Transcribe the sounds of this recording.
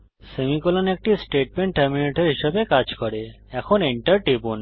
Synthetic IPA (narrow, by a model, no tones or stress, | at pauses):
semikolanek̚ʈisʈeʈ̚meɳʈʈːeɾmineʈeɾɦiʃebekad͡ʑkɔɾe | ɛkʰoniɳʈəɾʈibun